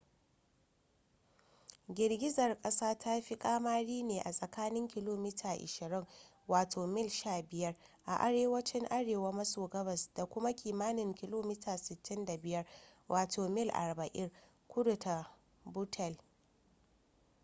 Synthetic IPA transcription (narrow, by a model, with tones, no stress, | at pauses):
ɡʲɪ˨rɡʲɪ˦zɐ˨rkʼɐ˦saː˦tʰa˦ɸi˦kʼaː˦maː˦ɽiː˦neː˨ʔa˨sʼɐ˨kaː˦nɪ˦ŋkʲɪ˦loː˦mɪ˦tʰaː˨ʔɪ̰˨ʃɪ˨ɾɪ˦ŋ | waː˨tʰoː˨mɪ˦˨lʃaː˦˨bɪ˨jɐ˦rʔa̰˨ʔa˨ɾeː˦wɐ˦t͡ʃɪ˦ŋʔa˦ɽeː˨wa˦mɐ˦soː˨ɡɐ˦bɐ˨sd̥a˨kʷʊ˦ma˦kʲiː˨maː˦nɪ˨ŋkʲɪ˦loː˦mɪ˦taː˨sɪ˨tːɪ˦nda˨bɪ˨jɐ˦rwʔaː˨tʰoː˨mɪ˦lʔa̰˨rbɐ˨ʔɪ˦r | kʷʊ˦dʊ˨ta˨ | bu˦tʰɛ˨l